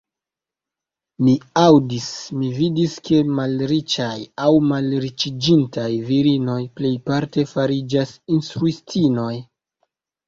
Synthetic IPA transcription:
miawdismividiske̞malɾit͡ʃajawmalɾit͡ʃid͡ʒintajviɾino̞jple̞jpaɾte̞faɾid͡ʒasinstɾuistino̞j

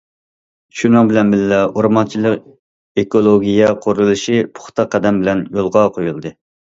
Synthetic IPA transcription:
ʃunɨŋbɪlɛnbɪllɛoɾmɑnt͡ʃʰilˠəq | ekolˠoɡʲijɛqʰoɾulˠɨʃipʰʊ̥χt̪ʰɑqʰːɛd̪ɛmbɪlɛnjolˠʁɑqʰojulˠd̪ɨ

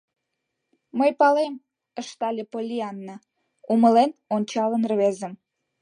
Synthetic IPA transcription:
məjpɑlem | əʃt̪ɑlʲepolʲiɑnːə | uməlenonʲt͡ɕɑlənrβezə̆m

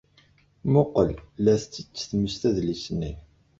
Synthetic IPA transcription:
mʊqəllːæθt͡sːət͡sːθməʃt̪æðlisni

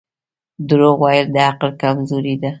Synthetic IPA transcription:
d̪ɾoɣwɑjəld̪əaqlkamzoɾid̪a

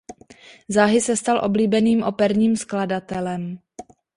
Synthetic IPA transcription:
zaːɦɪsɛst̪alʔo̞bliːbɛniːmʔo̞pɛɾɲiːmskladat̪ɛlɛm

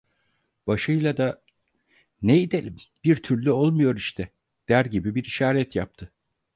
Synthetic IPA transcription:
b̥aʃɯjlˠad̪a | nejid̪elʲimbiɾt̪ʰyɾlʲyolˠmujo̞ɾiʃt̪ʰɛ | d̪̥æɾɟibibiɾiʃaːɾɛt̪jap̚t̪ʰɯ

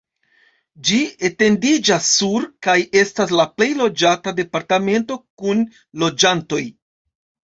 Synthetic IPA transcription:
d͡ʒiete̞ndid͡ʒasːuɾkaje̞stas̬laple̞jlo̞d͡ʒatade̞paɾtame̞nto̞kun | lo̞d͡ʒanto̞j

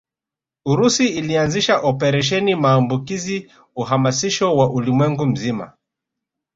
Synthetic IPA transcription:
uɾusiːlianziʃaʔɔpɛɾɛʃ̬ɛnimaːmbukizi | uɦamasiʃɔwaʔulimwɛŋɡum̩zima̰

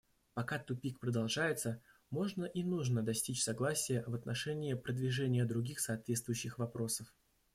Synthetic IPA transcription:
pɐkat̪ʊpʲikpɾəd̪ɐlˠʐajɪt̪sə | mo̞ʐnəʔinuʐnəd̪ɐsʲtʲit͡ɕsɐɡlˠasʲɪjəvət̪nʔɐʂɛnʲɪjɪpɾəd̪vʲɪʐɛnʲɪjəd̪ɾʊɡʲixsɐːt̪vʲet̪st̪vʊjʉɕːɪxvɐpɾo̞səf

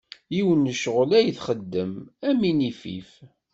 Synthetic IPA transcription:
jiwənːəʃʁəlæjθχəd̪ːəmæminifḭf

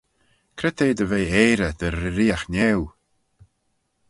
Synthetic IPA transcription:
kʰɾɛt̪eːd̪əvejeːɾəd̪̥əɾːɪɾiːaxnɛw

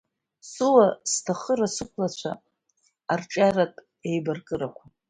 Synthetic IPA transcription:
suwastʰaχəɾasɨkʷʰlat͡ɕʷʰa̰ː | rʈ͡ʂʼaratʼ | e̞jbarkʼɨɾakʷʰa

